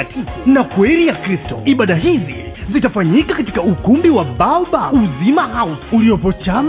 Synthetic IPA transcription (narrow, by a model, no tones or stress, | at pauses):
tʰivnakwɛlijakɾistɔ̰iɓaɗaɦizḭzitafaɲikakati̥kaukumbiwaɓaɓauzimahausulijɔpɔt͡ʃam